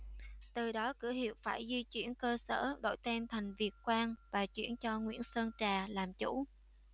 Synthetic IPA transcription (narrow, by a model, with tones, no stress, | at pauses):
t̪ɨ˨˩ɗɔ˨˦kɨ̰˧˥əhḭ˧˨əwfaː˧˩jzwi˧t͡ɕwḭ˧˩ənkəː˧sə̰ː˧˩ɗo̰˧˥˩jt̪ɛ˧nt̪ʰa˨˩jŋ̟vi˨˩ət̚kwaː˧nvaː˨˩t͡ɕwḭ˧˩ənt͡ɕɔ˧ŋwḭ˧˥ənsə˧nt͡ɕaː˨˩laː˨˩mt͡ɕṵ˧˥